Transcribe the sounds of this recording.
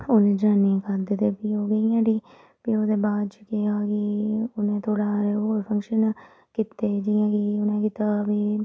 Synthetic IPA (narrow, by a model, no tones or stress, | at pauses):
oːnẽd͡ʒaːniãkəɾd̪ɪt̪eːpioːɡəiãːɖiː | pioːd̪eːbaːd̪t͡ʃkɪakiʊnẽːt̪ʰoːɽaːɾeoɾpʰəŋkʃən | kit̪eːd͡ʒiːjãːkiʊnẽkit̪abiː